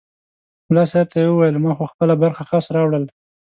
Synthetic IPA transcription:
mʊlɑsaɾt̪ajewəwajəlmɑxoxpəlabaɾxaxɑsɾɑwɽəl

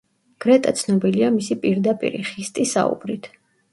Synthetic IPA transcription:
ɡ̥ɾɛt̪ʼat̪sʰnɔbiliamisipʼiɾd̪apʼḭɾḭχist̪ʼisa̰ṵbɾit̪ʰ

